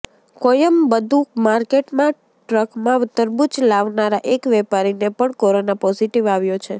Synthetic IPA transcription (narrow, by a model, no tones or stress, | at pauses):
kojəmbəd̪ʱũmaɾkeʈmã | ʈɾəkmãʊt̪ːəɾbut͡ʃlaʋnaɾaʔekʋɛpaɾinepəɳkoɾonapɔziʈiʋaʋjot͡ʃʰe